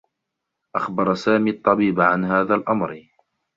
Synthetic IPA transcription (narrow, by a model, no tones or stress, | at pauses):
ʔaxbɑɾˤsaːmiːɑt̪ˤːɑbiːbʕanhaːðaːlʔamɾ